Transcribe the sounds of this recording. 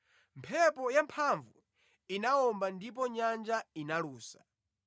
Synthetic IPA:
mpʰɛpɔjampʰaɱvu | inaɔmbandip̬ɔɲand͡ʒainaluːsḁ̰

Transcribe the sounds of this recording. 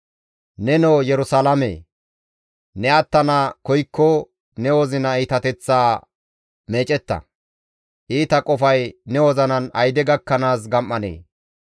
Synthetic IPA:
nɛnoːjɛɾʊsalɐmḛː | nɛɐt̪ːɐnakɔjkʰːɔ | nɛwɔzɪnɐiːt̪ɐt̪ɛt͡sːaː | meːt͡ʃʼɛt̪ːɐ̰ | ʔiːt̪ɐkʼɔfɐjnɛwɔzɐnɐnɐjd̪ɛɡɐkːɐnaːs̬ɡɐmːɐnḛː

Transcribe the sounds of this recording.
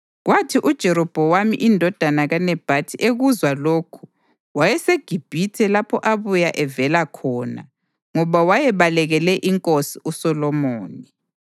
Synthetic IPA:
ɣwatʰiʔud̥ʒ̥ʱɛɾɔb̥ʱɔwamḭʔindʱɔd̥ʱanaɣanɛb̥ʱatʰiʔeɣuzwaloːkʰu̥ | wajɛseɡ̥ʱib̥ʱitʰɛlapʰɔʔaβujaʔɛvɛlakʰɔːna̰ | ŋɔβawajɛβalɛɣɛlɛʔiŋkʼosiʔusɔlɔmoːni

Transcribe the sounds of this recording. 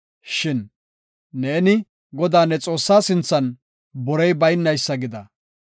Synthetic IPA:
ʃɪnː | eːnɪ | ɡɔd̪aːnɛt͡sʼo̞ːsːaːsɪnt͡sːɐn | bɔɾɛjbɐjnːɐjsːɐɡɪd̪ɐ

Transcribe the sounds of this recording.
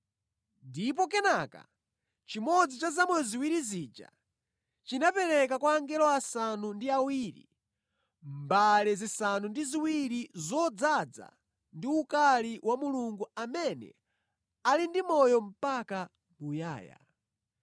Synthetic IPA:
ndip̬ɔkɛnaka̰ | t͡ʃimɔd͡zit͡ʃazamwɛɔziwiɾizid͡ʒa̰ | t͡ʃinapɛɾɛkakwaːŋɡɛlɔasanundiawiɾḭ | mbalɛzisanundiziwiɾizɔd͡zad͡za̰ | ndiukaliwamuluŋɡuamɛnɛ̰ | alindimɔjɔm̩paka | muja̰ːja̰

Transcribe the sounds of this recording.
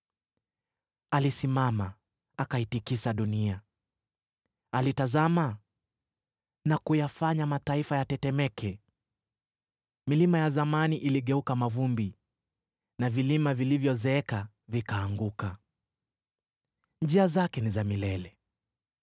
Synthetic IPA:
alisimama | akahitikisaɗunia | alitazama | nakujafaɲamataifajatɛtɛmɛkʰɛ | milimajazamaniʔiliɠɛukamavumbi | navilimavilivjɔzɛɛka | vikaːŋɡuka | nd͡ʒiazakɛnizamilɛlɛ

